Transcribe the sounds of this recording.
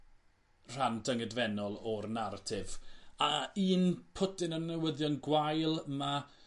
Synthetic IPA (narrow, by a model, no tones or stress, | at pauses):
r̥andəŋədvɛnɔlˠɔrnaɾatʰɪvaiːnpʰʊdɪnənːəwəðjɔnɡwajlˠma